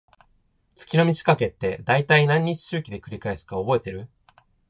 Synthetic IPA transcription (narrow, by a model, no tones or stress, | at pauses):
t͡sɨ̥kʲino̞mʲit͡ɕi̥kake̞t̪ːe̞d̪ait̪ainãɲ̟ːit͡ɕi̥ɕɨːkʲid̪e̞kɯ̟ɾʲikae̞sɨ̥kaobo̞e̞t̪e̞ɾɯ̟